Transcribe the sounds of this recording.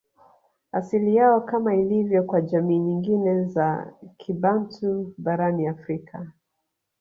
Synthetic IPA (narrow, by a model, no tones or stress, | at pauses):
asilijaɔkamailivjɔkwaʄamiːɲiŋɡinɛzakʰibantʰubaɾaniafɾikʰa